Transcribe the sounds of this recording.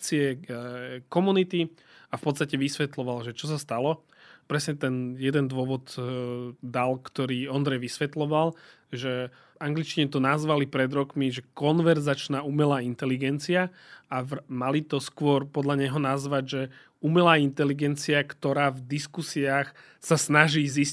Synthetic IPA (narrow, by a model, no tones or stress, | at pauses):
t͡siɛ | kɔmunit̪i | afpɔt̪st̪acɛʋisʋɛt̪lɔʋalʒɛt͡ʃɔs̬ast̪alɔ | pɾɛsɲɛt̪ɛnjɛd̪ɛnd̪ʊɔʋɔd̪ | d̪alkt̪ɔɾiːɔnd̪ɾɛjʋisʋɛt̪lɔʋal | ʒɛ | aŋɡlit͡ʃciɲɛt̪ɔnazʋalipɾɛd̪ɾɔkmiʒɛkɔnʋɛɾzat͡ʃnaːumɛlaːint̪ɛliɡɛnt͡siaaʋmalit̪ɔskʊɔɾpɔd̪ʎaɲɛɦɔnazʋaɟʒɛ | umɛlaːint̪ɛliɡɛnt͡siakt̪ɔɾaːvd̪iskusiaːx | sasnaʒiːzis